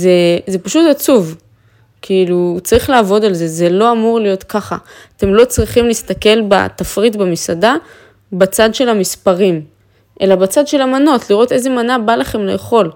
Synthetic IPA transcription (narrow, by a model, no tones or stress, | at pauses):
ze̞ze̞paʃutat͡suv | kʰiilut͡saʁiχlaːvo̞dalze̞ze̞lo̞amuʁlijo̞tkaχa̰ːte̞mlo̞t͡sʁiχimlist̪ake̞lba̰t̪afʁitbemisada | bat͡sad̪ʃe̞lamispaʁim | ʔe̞labat͡sad̪ʃe̞lamano̞tliʁo̞te̞ze̞manabalaχe̞mlejeχo̞l